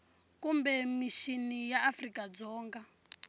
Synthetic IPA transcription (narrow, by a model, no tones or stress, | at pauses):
kumbɛmiʃinijaʔːfrikad͡zɔːŋɡa